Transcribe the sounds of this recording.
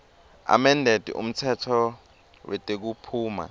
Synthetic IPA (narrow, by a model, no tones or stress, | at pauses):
a̰mɛndʱed̥ʱiṵm̩tʰɛtʰɔ | wʔɛtʼek̬upʰuːma̰